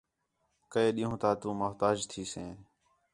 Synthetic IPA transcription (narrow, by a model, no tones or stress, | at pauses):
kəeːɗiːɦũːt̪aːt̪ũːmʊɦt̪aːd͡ʒt̪ʰiːsẽː